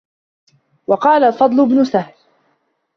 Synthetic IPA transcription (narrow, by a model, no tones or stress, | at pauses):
wɑqɑːlalfɑd̪ˤlʊbnʊsahl